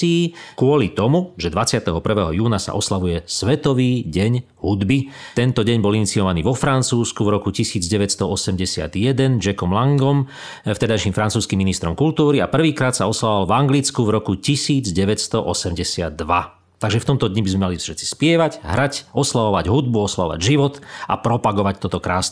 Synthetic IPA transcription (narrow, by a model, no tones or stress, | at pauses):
iːkʊɔlit̪ɔmuʒɛd̪ʋat͡sɪat̪ɛɦɔpr̩ʋɛːɦɔjuːnasa̰ʔɔslaʋujɛsʋɛt̪ɔʋiːɟɛɲ | ɦud̪bi | t̪ɛnt̪ɔɟɛɲbɔlinit͡siɔʋaniːʋɔfɾant͡suːskuvɾɔkucisiːd͡zɟɛʋɛtst̪ɔɔsɛmɟɛsɪa̰d̪jɛd̪ɛnd͡ʒɛkɔmlaŋɡɔm | ft̪ɛd̪ajʃiːmfɾant͡suːskimːinist̪ɾɔmkult̪uːɾiapr̩ʋiːkɾaːt̪saɔslaʋɔʋalvaŋɡlit͡skuvɾɔkucisiːd͡zɟɛʋɛst̪ɔʔɔsɛmɟɛsɪad̪ːʋa | t̪aɡʒɛft̪ɔmt̪ɔd̪ɲibizmɛmaliʃɛtt͡si̥spɪɛʋaɟɦɾacʔɔslaʋɔʋaɟɦud̪̚buɔslaʋɔʋa̰ɟʒiʋɔt̪ʔa̰pɾɔpaɡɔʋac̚t̪ɔt̪ɔkɾaːsn